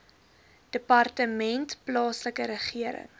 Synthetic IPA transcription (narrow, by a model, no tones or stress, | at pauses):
d̥əpɑrtəmɛntplɑːsləkəɾəχiəɾə̰ŋ